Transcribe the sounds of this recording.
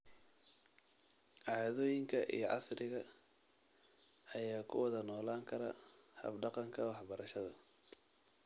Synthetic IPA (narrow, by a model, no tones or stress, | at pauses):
ʕɑːðɔːjɪŋkʰɐʔḭjɔʕɑ̰srɪɣɐ | ɐjaːkʰʊ̰wɐðɐnɔːlaːŋkʰɐɾɐ̰hɐ̰bɖɑqɑŋkʰɐwɑħbɐɾɐʃɐðɐ